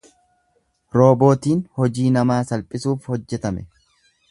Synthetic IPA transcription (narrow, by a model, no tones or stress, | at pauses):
ɾo̞ːbo̞ːt̪iːnhɔd͡ʒiːnɐmaːsɐlpʼɪsuːfhɔd͡ʒːɛt̪ɐmɛ